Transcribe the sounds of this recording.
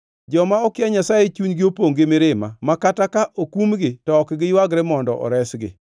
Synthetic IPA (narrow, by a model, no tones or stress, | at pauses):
d͡ʒɔmaɔkɪaɲasajet͡ʃuɲɡɪopoŋɡɪmɪɾɪmamakatakaʔokumɡɪtɔːkɡɪjwaɡɾɛmɔndɔ̰ʔɔ̰ɾɛsɡɪ̰